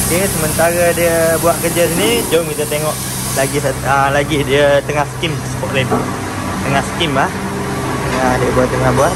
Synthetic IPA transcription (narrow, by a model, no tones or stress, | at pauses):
okesəmənt̪aɾadiəbuaʔkəd͡ʒas̬inid͡ʒamkit̪at̪eŋɔʔ | laɡisəlaɡidiət̪əŋahsə̥kimsə̥pɔʔ̚lebu | t̪əŋahsə̥kimlah | t̪əŋahdiəbuaʔt̪ːəŋahbuaʔ